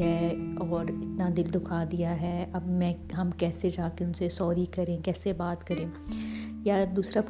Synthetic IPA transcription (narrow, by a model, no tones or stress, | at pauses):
ɦɛːɔːɾɪt̪nad̪ɪld̪ʊkʰad̪ijaɦɛːɐbmɛ̃ːɦɐmkɛːsed͡ʒaːkeʊnsesɔːɾikɐɾẽkɛːsebaːt̪kɐɾẽː | jad̪uːsɾap